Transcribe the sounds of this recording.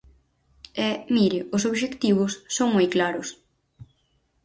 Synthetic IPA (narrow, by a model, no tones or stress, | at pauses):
ɛmiɾɪʊs̬oβʃekt̪iβʊsːoŋmojklaɾʊs